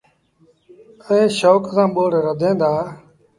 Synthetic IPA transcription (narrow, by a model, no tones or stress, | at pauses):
əẽːʃoːksãːɓoːɽɾəd̪ʱẽːnd̪aː